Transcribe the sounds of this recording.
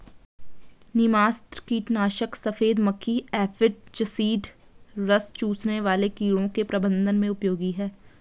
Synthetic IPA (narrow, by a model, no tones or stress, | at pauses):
nɪmaːst̪ɾkiːʈnaːʃəksɐfeːd̪məkʰːiɛːfɪʈ̚t͡ʃəsiːɖɾɐst͡ʃuːsneʋaːlekiːɽõkepɾɐbə̃nd̪ʱənmẽʊpjoːɡiɦɛː